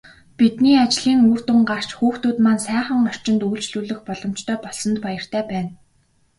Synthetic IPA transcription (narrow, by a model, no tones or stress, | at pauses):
pit̪niːat͡ɕɮ̥iːŋuːr̥t̪ʊŋɢar̥t͡ɕxuːxt̪uːt̪mansæːχə̆ŋɔr̥t͡ɕɪ̆nt̪ujɬt͡ɕɮuːɮɵ̆xpɔɮɞ̆m̥t͡ɕt̪ʰœːpɔɮsɞ̆nt̪pajə̆r̥t̪ʰæːpæːn